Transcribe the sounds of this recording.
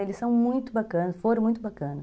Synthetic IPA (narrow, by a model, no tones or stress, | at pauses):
elɪsɐ̃w̃mũj̃t̪ʊbakɐ̃nɐsfoɾ̃mũj̃t̪ʊbakɐ̃nɐ